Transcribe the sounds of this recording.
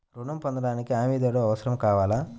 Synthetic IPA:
ɾuɳɐmpond̪ɐɽaːnikiaːmiːd̪ɐːɽoːɐʋɐsɐɾɐmkaːʋaːlaː

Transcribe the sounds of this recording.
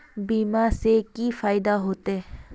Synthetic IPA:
biːmasekifaːɪd̪aɦoːt̪e

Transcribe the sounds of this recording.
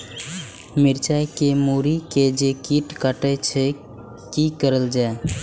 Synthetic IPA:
miɾt͡ʃajkemuɾiked͡ʒekiʈkaʈəjt͡ʃʰɛ | kikəɾəld͡ʒae

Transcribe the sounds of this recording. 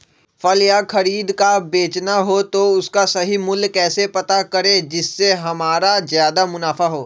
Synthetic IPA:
fɐljakɐɾiːd̪kabeːt͡ʃnaɦot̪oʊskasɐɦimʊlkɛːsepɐt̪akɐɾẽd͡ʒɪsːeɦɐmaːɾazjaːd̪amʊnaːfaɦoː

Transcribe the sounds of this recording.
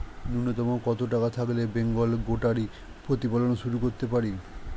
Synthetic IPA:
nunːot̪ɔmokɔt̪oʈ̬akat̪ʰaklebeŋɡolɡoʈaɾi | pɾot̪ipalonoʃuɾukoɾt̪epaɾi

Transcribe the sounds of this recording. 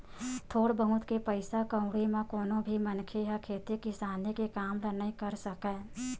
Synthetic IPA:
t̪ʰoːɽbəɦʊ̃t̪kepəɪsakə̃ʊ̃ɽimãkoːnõbʱimənkʰejakʰeːt̪ekɪsaːnekekaːmlənaĩkəɾsəkɛ̃ː

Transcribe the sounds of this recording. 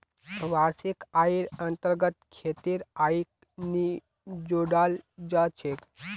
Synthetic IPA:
ʋaɾsikaiɾənt̪əɾɡət̪kʰet̪iːɾaik̚ | ni | d͡ʑoɽald͡ʑat͡ʃʰek

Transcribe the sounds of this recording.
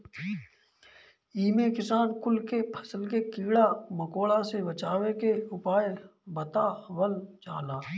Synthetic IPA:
iːmekɪsaːnkʊlkepʰə̥səlkekiːɽaməkoːɭasebət͡ʃaːwekeʊpaːjebət̪aʋəlt͡ʃaːlaː

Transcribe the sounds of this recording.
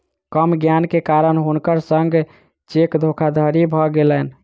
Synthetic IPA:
kəmɡjankekaɾənɦunkəɾsəŋɡ | t͡ʃekd̪ʱokʰad̪ʱəɾibʱɔɡelən

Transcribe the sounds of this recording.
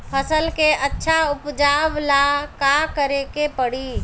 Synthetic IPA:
pʰəsəlkeətːʃʰaʊpd͡ʒaːʋlakakəɾekepəɽi

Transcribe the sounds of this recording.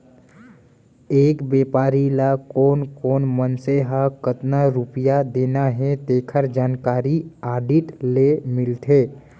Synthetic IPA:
eːkbeːpaːɾilakoːnkoːnmənseɦakət̪naɾupijad̪eːnaɦẽt̪eːkʰəɾd͡ʒaːnkaːɾiaːɖiʈlemɪlt̪ʰe

